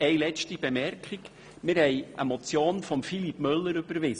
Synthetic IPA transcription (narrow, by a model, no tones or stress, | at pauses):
ɛjlɛt͡ʃtib̥emɛrkχik | mɪɾhɛɪʔəmɔt͡sjoːnfɔmfilipmʏlːəɾʏb̥əɾʋɪs